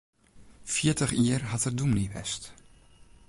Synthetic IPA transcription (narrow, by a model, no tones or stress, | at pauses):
fjiətəχiərhatərdumniʋɛ̰st